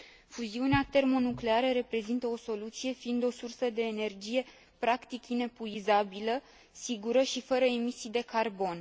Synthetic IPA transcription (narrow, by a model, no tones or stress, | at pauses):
fuziuneat̪e̞rmo̞nukle̞aɾəɾe̞pɾe̞zint̪əo̞so̞lut̪sije̞fiːnd̪o̞sursəd̪e̞ːne̞rd͡ʒije̞ | pɾakt̪ikine̞puizabilə | siɡuɾəʃifəɾəemisijd̪e̞karbo̞n